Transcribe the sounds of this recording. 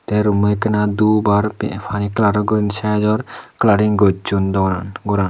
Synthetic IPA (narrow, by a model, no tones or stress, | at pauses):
t̪eɾumujkənad̪ubaɾppʰaniklaɾɔɡuɾinsad͡ʒɔɾklaɾiŋɡot͡ʃund̪ɔɾanɡuɾan